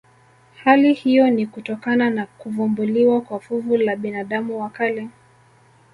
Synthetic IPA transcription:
halihijɔnikutɔkananakuvɔmbuliwakwafuvulaɓinaɗamuwakalɛ

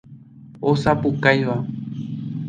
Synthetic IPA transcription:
osapukajʋa

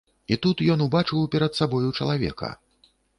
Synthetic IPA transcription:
it̪ut̪jɔnubat͡ʂɨwpʲɛɾɐt̪sabɔjut͡ʂɐlˠavʲɛ̰kɐ̰

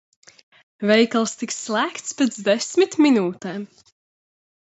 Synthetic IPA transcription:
vɛjkalˠst̪iksːlˠæːkt̪spet̪zd̪esʲmit̪minuːt̪ɛːm

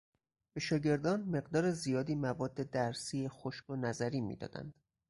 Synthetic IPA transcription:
b̥e̞ʃɒːɟe̞ɾd̪ɒːnme̞ɢd̪ɒːɾezijɒːd̪iːmævɒːd̪ːe̞d̪æɾsiːexoʃɡonæzæɾiːmḭːd̪ɒ̰ːd̪æ̰nd̪̥

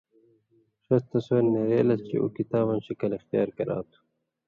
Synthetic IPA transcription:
ʂɐst̪ɐsoːnːeɾeːlɐst͡ɕḭʔṵkit̪aːβɐnɕikɐlixt̪ijaːɾkɐɾa̰ːt̪u̥

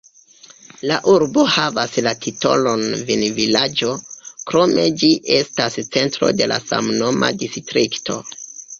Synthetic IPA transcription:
laʔuɾbo̞havaslatʰito̞̰lo̞nvinvilad͡ʒo̞kɾo̞me̞d͡ʒiʔe̞stast͡se̞ntɾo̞̰de̞la̰sa̰mno̞ma̰distɾiktʰo̞̰

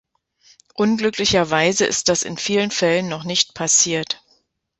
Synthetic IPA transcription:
ʔʊnɡlʏklɪçɐvaɪzəʔɪ̰st̚d̥asɪ̰nfiːlənfɛlənːɔχnɪçt̚pʰasiːɐt

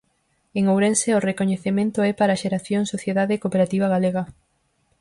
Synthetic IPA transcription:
eŋowɾenseorekoɲeθemẽnt̪oɛpaɾaʃeɾaθjoŋsoθjeðaðekopeɾat̪iβɐɣaleɣɐ

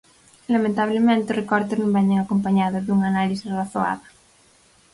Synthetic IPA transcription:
lamẽnt̪aβ̞lemẽnt̪eorekɔɾt̪eznõmbɛɲeŋakompaɲaðozðuŋanalisisraθoa̰ða

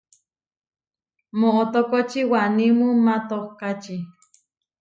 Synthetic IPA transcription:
moʔot̪okot͡ʃiwanimumat̪ohkat͡ʃi

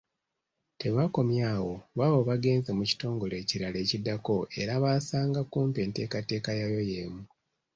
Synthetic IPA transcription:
te̞βako̞mjaːwo̞βaβo̞βaɡe̞ːnzemuci̥to̞ːŋɡo̞le̞ːciɾale̞ːcidːako̞e̞̰ɾaβaːsaːŋɡakuːmpe̞ːnte̞ːkate̞ːkajajo̞je̞ːmu

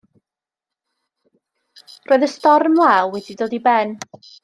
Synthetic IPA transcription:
roːɨðəstɔrnlawwɛdidoːdibɛn

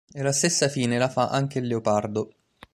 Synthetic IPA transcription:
elast̪esːafiːnelafaʔaŋk̟elːeopard̪o

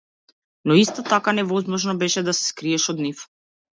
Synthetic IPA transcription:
nɔist̪ɔt̪akanɛvɔzmɔʒnɔbɛʃɛd̪asɛ̥skɾiɛʃɔd̪nif

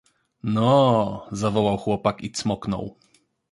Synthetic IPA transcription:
nɔzavɔwawxwɔpakit̪smɔknɔ̰w

